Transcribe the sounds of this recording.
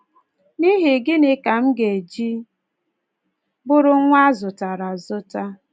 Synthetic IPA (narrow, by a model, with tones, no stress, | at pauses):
ni˦ɦi˨ɡɪ˦nɪ˦ka˨m̩˦ɡe˨d͡ʒi˦ | bʊ˦ɾʊ˦ŋʷa˦zʊ˨ta˨ɾa˨zʊ˦ta˦